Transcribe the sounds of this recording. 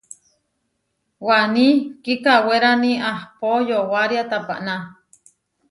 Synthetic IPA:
wanikikaweɾaniahpojowaɾjat̪apa̰ʔna

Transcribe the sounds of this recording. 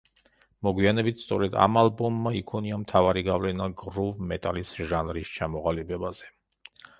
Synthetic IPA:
mɔɡwianɛbit̪̚ʰst̪sʼɔɾɛd̪a̰malˠbɔmːaikʰɔniamt̪ʰavaɾiɡavlɛnaɡɾuvmɛt̪ʼalisʒanɾist͡ʃʰamɔʁalibɛbaz̥ɛ

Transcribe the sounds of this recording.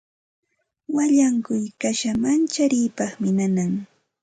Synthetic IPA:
waʎaŋkʊjkaʃamant͡ʃaɾɪːpɑχmɪnanaŋ

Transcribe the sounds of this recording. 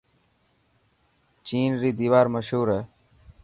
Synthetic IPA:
t͡ʃiːnɾiːd̪iːʋaːɾməʃɦuːɾɛː

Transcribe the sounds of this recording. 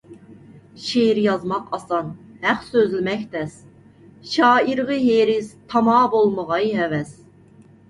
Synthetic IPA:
ʃeɾjɑzmɑqʰɑsɑnhæqsøzlɪmɛkʲt̪ʰɛs | ʃɑːiɾʁɨɦeɾɪzt̪ʰɑmɑːbolˠməʁɑjɦɛvɛs

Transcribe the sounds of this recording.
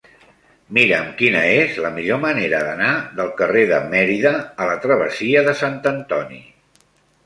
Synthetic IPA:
miɾəmkinəezləmiʎoməneɾəðənaðəlˠkəreðəmɛɾiðəːlət̪ɾəβ̞əsiəðəsant̪ənt̪ɔnḭ

